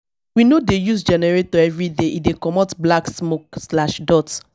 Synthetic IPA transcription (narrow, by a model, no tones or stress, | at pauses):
winodejusd͡ʒɛnɛɹetɔɛvɹideʔidekɔmotblaksmokslaʃdɔt